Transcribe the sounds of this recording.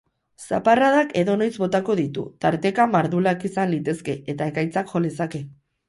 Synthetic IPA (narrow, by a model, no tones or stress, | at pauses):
sa̰paraðake̞ðo̞no̞jzbo̞t̪ako̞ð̞it̪ṵt̪aɾt̪e̞kamaɾðulakisanlit̪e̞ske̞ʔet̪ae̞kajt͡sakʝo̞lesake̞